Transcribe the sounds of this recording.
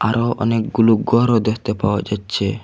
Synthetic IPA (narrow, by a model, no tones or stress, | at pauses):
aɾoʔɔ̰nek̚ɡuluɡɔɾod̪ekʰt̪epawa̰d͡ʒatːɕʰe